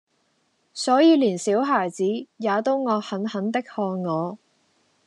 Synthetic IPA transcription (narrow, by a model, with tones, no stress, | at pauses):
sɔː˨˥jiː˨˧liː˨˩nsiː˨˥wɦaː˨˩jt͡siː˨˥jaː˨˧t̪o˥wŋɔː˨˧hɐ˨˥nhɐ˨˥nt̪ɪ˥k̚hɔː˧ŋŋɔː˨˧